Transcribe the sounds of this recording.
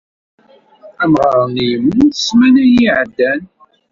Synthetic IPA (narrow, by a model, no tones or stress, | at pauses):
æmʁɑɾˤnijəmuθə̥smænæjiʕəd̪ːæn